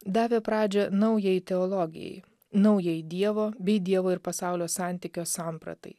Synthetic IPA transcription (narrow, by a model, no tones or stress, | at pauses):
d̪ɑːʋʲɛpɾɑːd͡ʒʲɛnɐʊjɛɪt̪ʲɛɔːlˠɔɡʲɪ̰jɛ̰ɪ | nɐʊjɛɪd̪ʲiɛʋoːbʲɛɪd̪ʲiɛʋoːɪɾpɐsɑˑʊlʲoːsɑˑnʲt̪ʲɪkʲoːsɑːˑmpɾɐ̰t̪ɐ̰ɪ